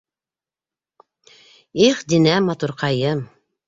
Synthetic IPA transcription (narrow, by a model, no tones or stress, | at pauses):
iχd̪inæmɑt̪uɾqɑjɤm